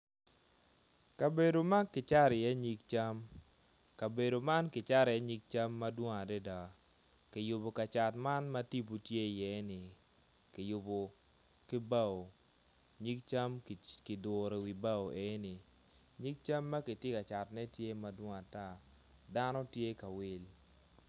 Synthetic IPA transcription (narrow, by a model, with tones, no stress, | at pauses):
ka˨be˨do˨ma˦nkɪ˨t͡ʃa˦ɾɪ˨jɛ˦ɲi˦k̚t͡ʃa˦m | ka˨be˨do˨ma˦nkɪ˨t͡ʃa˦ɾɪ˨jɛ˦ɲi˦k̚t͡ʃa˦mːa˦dwɔ˦ŋa˨dɛ˦da˨ | kɪ˨jʊ˨bo˨ka˨t͡ʃa˨tma˦nma˦ti˦b̬u˨tje˦˨jɛ˦nɪ˨ | kɪ˨jʊ˨bo˨ | kɪ˦ba˦˨o˨ | ɲi˦k̚t͡ʃa˦m˨kɪ˨dʊ˨ɾe˨wi˨ba˦o˨ʔe˨˦nɪ˨ | ɲi˦k̚t͡ʃa˦mːa˦kɪ˨tɪ˦ka˨t͡ʃa˨tnɛ˦tje˦ma˦dwɔ˦ŋa˨ta˦ | da˦nɔ˦tje˦ka˨wɪ˦l